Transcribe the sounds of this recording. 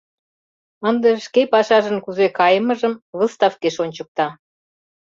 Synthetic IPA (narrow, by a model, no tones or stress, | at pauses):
ənd̪eʃkepɑʃɑʒə̆nkuzekɑjəməʒəmβəst̪ɑfkeʃonʲt͡ɕə̆k̚t̪ɑ